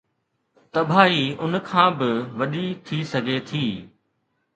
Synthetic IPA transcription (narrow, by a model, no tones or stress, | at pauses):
t̪ɐbʱaːiːʊnkʰãːbɪʋɐɗit̪ʰiːsɐɡʱet̪ʰiː